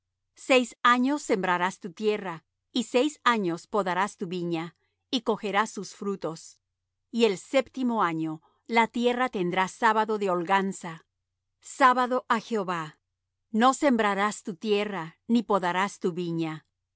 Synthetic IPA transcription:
se̞jsaɲo̞sːe̞mbɾaɾast̪ut̪je̞ra | isejsaɲo̞spo̞ðaɾast̪uβiɲa | iko̞xe̞ɾast̪usfɾut̪o̞s | ie̞lse̞pt̪imo̞aɲo̞ | lat̪je̞rat̪e̞nd̪ɾasaβaðo̞ðeolɡansa | saβaðo̞ʔaxeoβa | no̞se̞mbɾaɾast̪ut̪je̞ranipoðaɾast̪uβiɲa

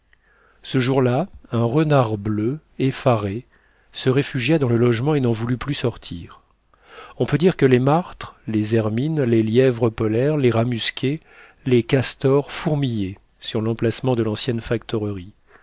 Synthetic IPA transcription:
səʒuʁlaɛ̃ʁənaʁblø | efaʁe | səʁefyʒjad̪ɑ̃ləlɔʒmɑ̃enɑ̃vulyplysɔʁt̪ʰḭʁ | ɔ̃pød̪iʁkəlemaʁt̪χlezɛʁminleljɛvʁəpɔlɛʁleʁamyskʲe | lekast̪ɔʁfuʁmije | syʁlɑ̃plasmɑ̃d̪əlɑ̃sjɛnfakt̪ɔʁəʁi

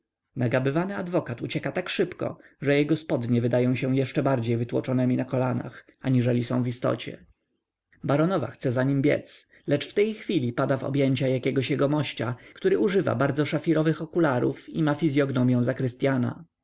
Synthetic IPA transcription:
naɡabɘvanɘad̪vɔkat̪ut͡ɕɛkat̪akʂɘpkɔ̰ | ʐɛjɛɡɔspɔd̪ɲɛvɘd̪ajɔ̃w̃ɕɛw̃jɛʂt͡ʂɛbaɾd͡ʑejvɘt̪wɔ̰t͡ʂɔnɛmʲinakɔlana̰x | aɲiʐɛlʲisɔ̰̃w̃vist̪ɔ̰t͡ɕɛ̰ | baɾɔnɔva̰xt̪sɛzaɲimbʲjɛ̰t̪s | lɛt͡ʂft̪ɛjxfʲilʲipad̪avɔ̰bʲjeɲt͡ɕajakʲɛɡɔɕjɛɡɔmɔɕt͡ɕakt̪uɾɘuʐɘva̰baɾd̪zɔʂafʲiɾɔvɘxɔkulaɾṵfimafʲizʲjɔɡnɔmʲjɛ̃w̃zakɾɘst̪ʲjana̰

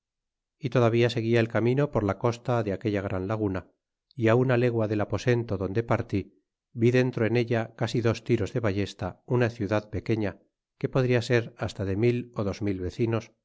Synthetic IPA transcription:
it̪o̞ðaβ̞iase̞ɣ̞iae̞lkamĩno̞po̞ɾlako̞st̪aðeake̞ʎaɣ̞ɾʔanlaɣ̞una | iaunale̞ɣwaðe̞lapo̞se̞nt̪o̞ðo̞nd̪e̞paɾt̪i | biðe̞nt̪ɾo̞e̞ne̞ʎakasiðo̞st̪iɾo̞zðe̞βaʝe̞st̪aunaθjuðaðpe̞ke̞ɲa | ke̞po̞ðɾiase̞ɾast̪aðe̞milo̞ðo̞zmilβe̞θino̞s

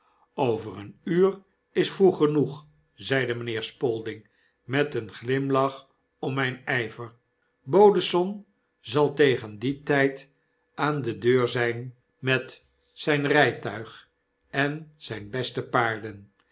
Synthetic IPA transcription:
owvərənyːr | ɪsfruχənuχ | zɛjdəmənɪːɹspɔlˠdɪŋ | mɛtənχlɪmlɑχ | ɔmmɛjnɛjvəɹ | bowdəsɔn | zɑlˠtejχənditɛjt | ʔaːndədøːɹzɛjn | mɛt | sɛjnrɛjtœɥχ | ɛnz̥ɛjnbɛstəpaːɹdən

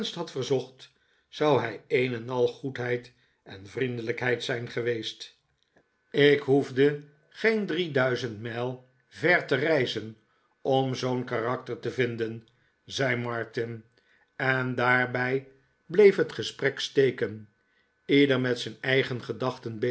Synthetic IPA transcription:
nstɦɑtfəɹzɔχt | sɑwɦɛjejnɛnɑlˠχutɦɛjt | ɛnvrindələkɦɛjtsɛjnχəʋejst | ɪkɦuvdə | χejndridœɥzəntmɛlˠ | vɛɹtərɛjzən | ɔmzownkarɑk̚təɹtəvɪndən | zɛjmɑɹtɪn | ɛndaːɹbɛj | blejfɦətχəsprɛkstejkən | ɪdəɹmɛtsɛjnɛjχənχədɑχtənb

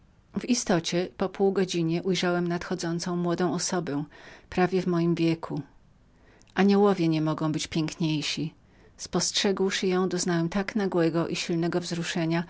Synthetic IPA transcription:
vist̪ɔt͡ɕɛpɔpuwɡɔd͡ʑiɲɛʔujʐawɛmnat̪xɔd̪zɔnt̪sɔ̃w̃mwɔd̪ɔ̃w̃ɔsɔbɛ̃pɾavʲjɛvmɔjimvʲjɛkʰu | ʔaɲɛwɔvʲjɛɲɛmɔɡɔ̃w̃bɘt͡ɕpʲjɛŋkɲejɕi | spɔstʂɛɡwʂɘjɔ̃w̃d̪ɔznawɛmt̪aknaɡwɛɡɔʔiɕilnɛɡɔvzɾuʂɛɲa

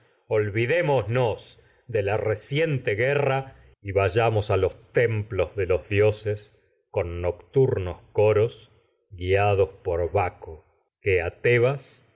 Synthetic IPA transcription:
olβiðe̞moznos | ðelaresje̞nt̪eɣera | iβaʒamosalo̞st̪e̞mplo̞zðe̞lo̞zðjo̞ses | ko̞nːokt̪uɾno̞sko̞ɾo̞s | ɡiaðo̞spoɾβako | keat̪eβas

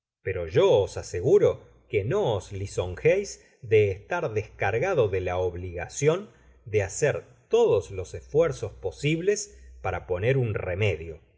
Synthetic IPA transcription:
peɾo̞ʒo̞ːsaseɣuɾo̞ | kenoːsliso̞ŋxejz | d̪eːst̪aɾðeskaɾɣaðo̞ðelaoβliɣasjo̞n | d̪easeɾ | t̪o̞ðoslo̞sesfwɛɾso̞spo̞siβlespaɾapo̞neɾunremeðjo̞

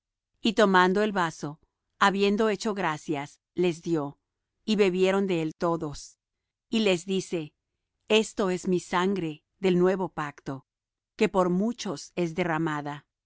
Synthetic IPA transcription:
it̪o̞mand̪o̞e̞lβaso̞ | aβje̞nd̪o̞e̞t͡ʃo̞ɣɾasjas | le̞zðjo̞ | iβe̞βje̞ɾo̞nd̪e̞elt̪o̞ðo̞s | ile̞zðise̞ | est̪o̞e̞zmisaŋɡɾe̞ | ðe̞lnwe̞βo̞pakt̪o̞ | ke̞po̞ɾmut͡ʃo̞se̞zðe̞ramaða

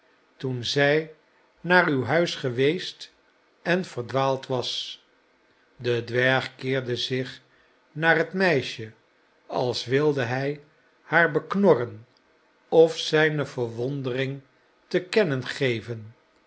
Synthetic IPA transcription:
tunzɛj | naːrywɦœɥsχəʋejst | ɛnv̥əɹdʋaːlˠtʋɑs | dədʋɛɹχkɪːɹdəzɪχ | naːrɦətmɛjʃə | ɑ̰lˠsʋɪlˠdəɦɛj | haːɹbəknɔrən | ɔfsɛjnəvəɹʋɔndərɪŋ | təkɛnənχejvən

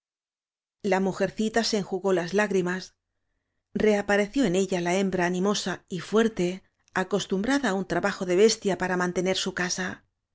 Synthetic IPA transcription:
lamuxe̞ɾθit̪ase̞ːŋxuɣo̞lazlaɣɾimas | re̞apaɾe̞θjo̞e̞ne̞ʎalae̞mbɾaːnĩmo̞saifwe̞ɾt̪e̞ | ako̞st̪umbɾaðaːunt̪ɾaβaxo̞ðe̞β̞e̞st̪japaɾamãnt̪e̞ne̞ɾsukasa

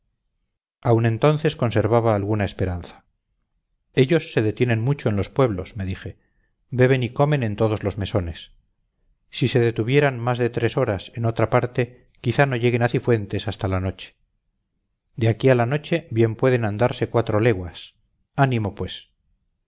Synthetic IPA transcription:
awnẽ̞nt̪onθe̞sko̞nse̞ɾβaβaːlɣunaespe̞ɾanθḁ | e̞ʎo̞sːe̞ðe̞t̪jenẽ̞nmut͡ʃo̞enlo̞spwe̞βlo̞sme̞ðixe̞ | be̞β̞e̞niko̞me̞ne̞nt̪o̞ð̞o̞zlozme̞so̞ne̞sː | iseðe̞t̪uβje̞ɾanmazðe̞t̪ɾe̞so̞ɾaseno̞t̪ɾapaɾt̪e̞ | kiθano̞ʝe̞ɣ̞e̞naθifwe̞nt̪e̞sast̪alanot͡ʃe̥ | d̪eakialano̞t͡ʃe̞bje̞mpwe̞ðe̞nand̪aɾse̞kwat̪ɾo̞le̞ɣwas | animo̞pwe̞s

